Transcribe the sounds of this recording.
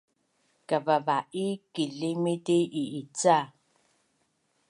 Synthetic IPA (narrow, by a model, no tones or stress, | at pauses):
kababaikilimiteʔiit͡sa